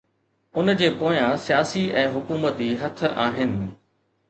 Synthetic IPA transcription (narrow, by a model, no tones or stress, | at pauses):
ʊnd͡ʑeːpoːjãsijaːsiʔɛ̃ːɦʊkuːmət̪iɦɐt̪̆ʰaːɦɪnɪ̆